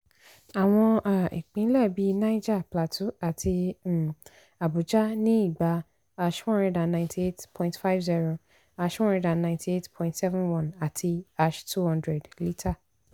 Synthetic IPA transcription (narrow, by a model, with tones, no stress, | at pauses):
a˨w̃ɔ̃˧ʔa˨ḭ˨k͡pĩ˨˦lɛ˦˨bi˨˦na˦i˦d͡ʒa˦˨pla˨tʰu˦a˨tʰi˧˨ | a˨bu˨d͡ʒa˦nĩ˦i˦˨ɡ͡ba˧ | a˧ʃhɔ̃˦ndɛ˧dã˨nːã˨ntʰi˨e˦tpʰɔ̃˦˨ĩntfa˦vzi˦ɾo˨ | a˧ʃhɔ̃˦nɾɛ˧dã˨nːã˨ntʰi˨e˦tpʰɔ̃˦ĩntsɛ˦vɛ̃˦nwɔ̃˦˨na˨tʰi˧a˧ʃtʰu˦hɔ̃˦ndɾɛ˨dli˦tʰa˦˨